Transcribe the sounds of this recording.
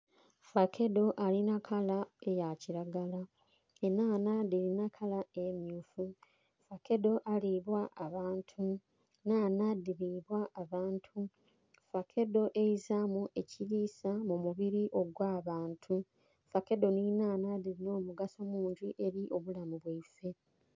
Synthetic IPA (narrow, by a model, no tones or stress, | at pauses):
fakʰe̞do̞ʔalinakʰalaejaciɾaɡala | enaːnadiɾinakʰalae̞mjuːfu | fakʰe̞do̞ʔaliβwaʔaβaːntʰu | naːnadiɾiβwaːβaːntʰu | fakʰe̞do̞ʔejizamuʔe̞ciɾiːsamumuβiɾiʔo̞ɡwaːβaːntʰu | fake̞do̞ninaːnadiɾino̞ːmuɡaso̞muːɲɟiʔe̞ɾiʔo̞βulamuβweife̞